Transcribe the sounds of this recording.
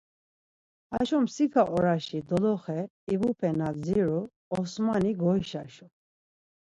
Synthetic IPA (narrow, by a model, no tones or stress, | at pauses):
aʃɔmsikʰaʔɔɾaʃid̪ɔlɔχɛ | ibupʰɛnad͡ziɾu | ɔsmaniɡɔjʃa̰ʃɔ